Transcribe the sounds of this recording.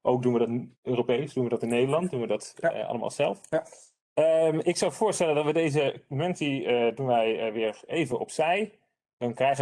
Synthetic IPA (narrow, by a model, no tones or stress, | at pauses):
ʔowk̚dunʋədɑtøːropejsdunʋədɑtɪnːejdəlɑnt̚dunʋədɑtɑ̰ləma̰ːlˠzɛlˠf | əmɪksɑwv̥ʊːɹstɛləndɑtʋədejzəmɛnsiədunʋɛjʋɪːɹejvənʔɔ̰psɛj | d̥ɑnkrɛjχə